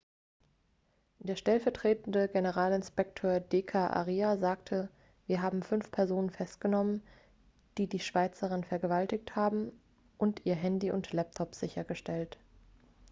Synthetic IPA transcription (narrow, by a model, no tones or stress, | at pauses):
d̥eːɐʃtɛlfɛɐtʁ̥eːtn̩dəɡenəʁaːlɪnspɛk̚tʰøːɐdeːkʰaʔa̰ʁiːazaːktʰə | viːɐɦaːbm̩fʏnfpʰɛɐzoːnənfɛst̚ɡ̥ənɔmən | d̥iːdiːʃv̥aɪt͡səʁ̞ɪnfɛɐɡəvaltɪçthaːbm̩ | ʔʊntʔiːɐɦɛndiːʔʊntlɛp̚tʰɔpz̥ɪçɐɡəʃtɛlt